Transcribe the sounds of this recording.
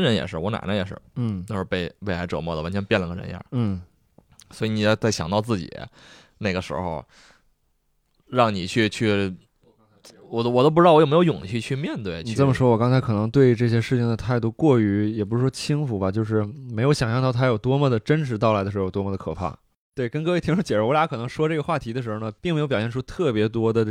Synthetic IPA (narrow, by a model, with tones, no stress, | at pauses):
nɻə˧˥njɛ̰˨˩ʂɻ̩˥˩wɔ˧˥na̰˨˩ɪnə˦jɛ̰˨˩ʂɻ̩˥˩n̩˥˩˥ʊʂɻ̩˧pe˥˧ɪwe˥˩ɪla˧˥ɪʈ͡ʂɤ˨˩mwɔ˥˩d̪ə˩wa˧˥nt͡ɕʰɥɛ˧˥npjɛ˥˩nlə˧˥ŋə˧ɻə̰˧˥n̰˧˥n̩˥˩ | swɔ˧˥i˧˥ni˨˩˥t͡sa˥˩ɪɕjɑ˨˩ŋt̪ɑ˥˧ʊt͡sɹ̩˥˩t͡ɕḭ˨˩˦ | na˥˩ɡə˩ʂɻ̩̰˧˥xo̰˧ʊ | ɻɑ˥˩ŋni˨˩t͡ɕʰy˥˧t͡ɕʰy˥˩ | wɔ˨˩wɔ˨˩o˥p̬̩̪˥˧˥wm˧˥jo˧˥ʊjʊ˨˩ŋt͡ɕʰy˥˧t͡ɕʰy˥˧mjɛ˥˧nt̪we˥˩ɪni˨˩t͡sə˥˩mə˩ʂwɔ˥wɔ˨˩kɑ˥ŋt͡sʰa˧˥ɪkʰɤ˨˩nɤ˧˥ŋt̪we˥˧ɪʈ͡ʂɤ˥˩ɕ̬jɛ˥ʂɻ̩˥˩t͡ɕʰɪ˩ŋd̪ə˩t̪ʰa˥˧ɪt̪u˥˧kwɔ˥˩y˧˥jɛ˨˩p̬u˧˥ʂɻ̩˥˩wɔ˥t͡ɕʰi˥ŋfu˨˩bɐ˨t͡ɕjo˥˧ʊʂ̬ɻ̩˥˩me˧˥jo˧˥ɕjɑ˨˩ŋɕjɑ˥˧ŋt̪ɑ˥˩t̪ʰa˥jo˨˩ʊt̪wɔ˥mə˩d̪ə˩ʈ͡ʂə˥nʂɻ̩˧˥t̪ɑ˥˩ʊa˧˥d̪ə˧ɻ̩˧˥˧jo˩wɔ˥mɔ˧˩ə˧kʰɤ˨˩pʰa̰˥˩ | t̪we˥˩ɪkə˥nkɤ˥˧we˥˩t̪ʰi˥ŋʈ͡ʂʰt͡ɕjɛ˨˩ɻwlja˥kʰɤ˨˩nɤ˧˥ŋʂwɔ˥ʈ͡ʂɤ˥˩ɡə˩xwa˥˩t̪ʰi˧˥əʂɻ̩˧˥xo˧nə˩pi˥˩ŋm˥jpjɑ˨˩ɕjɛ˥˩nʈ͡ʂʰu˥t̪ʰɤ˥˩pjɛ˧˥t̪wɔ˥d̪ə˨